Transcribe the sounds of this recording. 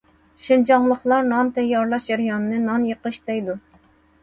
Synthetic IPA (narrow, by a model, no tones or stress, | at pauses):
ʃind͡ʒɑŋlˠəχlˠɑɾnɑnt̪ʰɛjːɑɾlˠɑʃd͡ʒɛɾjɑnɨnɨnɑnjəqəʃd̪ɛjd̪u